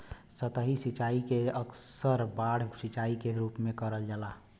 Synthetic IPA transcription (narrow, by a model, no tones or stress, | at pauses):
sət̪əɦisit͡ʃaikeəksəɾbaɽ̤sit͡ʃaikeɾuːpmẽkəɾəld͡ʒala